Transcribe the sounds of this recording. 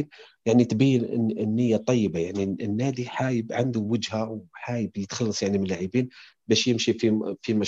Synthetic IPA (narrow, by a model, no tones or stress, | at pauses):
njaʕnit̪bajːɪnɪ̰ɪnːɪjːat̪ˤɑjːəbajaʕninːaːd̪iħaːjəbʕand̪uwəd͡ʒhawħaːjɪbjət̪xɑlːɑsˤjaʕnimɪlːaʕəbiːnbæːʃjɪmʃififimaʃ